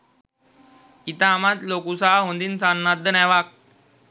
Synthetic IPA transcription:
it̪aːmat̪lokusaɦɦõnd̪iːnsanːad̪ːənaʋak̚

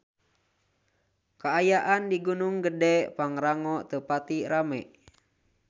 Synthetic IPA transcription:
kaːjaʔandiɡunuŋɡədɛpaŋɾaŋɔt̪əpat̪iɾamɛʔ

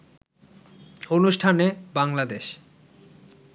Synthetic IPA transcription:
onuʃʈʰanebaŋlad̪eʃ

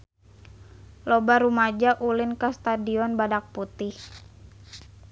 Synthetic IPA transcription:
lɔbaɾumad͡ʒaʔulɪnkast̪adiɔnbadak̚put̪ɪh

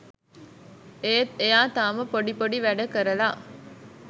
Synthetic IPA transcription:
eejaːt̪aːməpoɖipoɖiʋæɖɐkəɾɐlaː

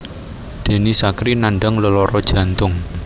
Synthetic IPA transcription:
d̪̥e̤nisakɾinaɳɖəŋləlɔɾɔd̥ʒ̥ä̤nt̪ʊŋ

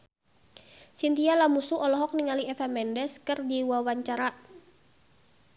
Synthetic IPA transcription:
sint̪ialamusuɔlɔɦɔk̚niŋaliɛfɛmɛndɛskərdiwawaɲt͡ʃaɾa

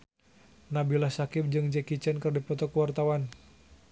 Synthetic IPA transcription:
nabilahsakɪp̚d͡ʒɨŋd͡ʒɛkit͡ʃɛnkərdipɔt̪ɔkuwart̪awan

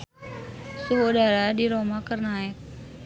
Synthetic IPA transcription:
suɦudaɾadiɾomakərnaɛk̚

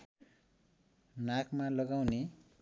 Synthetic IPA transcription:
nakmalʌɡawne

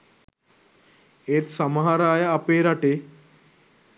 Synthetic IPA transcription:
et̪sɐmɦaɾaːjaːpeɾaʈe

